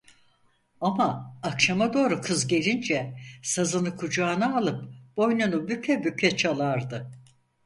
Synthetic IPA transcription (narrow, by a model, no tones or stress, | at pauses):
amaːkʃamad̪o̞ːɾukʰɯzɟe̞lʲind͡ʒɛsazɯnɯkʰud͡ʒaːnaːlˠɯp̚b̥o̞jnunubypʰɛbypʰʲɛt͡ʃʰalˠaɾd̪ɯ